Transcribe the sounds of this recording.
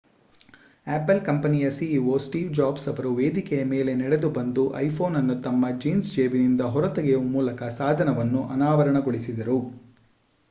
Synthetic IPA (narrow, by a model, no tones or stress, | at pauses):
æːpːɐlkɐmpɐnijɐsiiʋoːsʈiːʋd͡ʒaːbsɐʋɐɾuʋeːd̪ikɛjɐme̞ːle̞nɛɽed̪ubɐnd̪uʔɐ̰jpʰo̞ːnɐnːut̪ɐmːɐd͡ʒiːnsd͡ʒeːbinind̪ɐɦɔɾɐt̪ɐɡejumuːlɐkɐsaːd̪ʱɐnɐʋɐnːuʔɐnaːʋɐɾɐɳɐɡoɭisid̪ɐɾu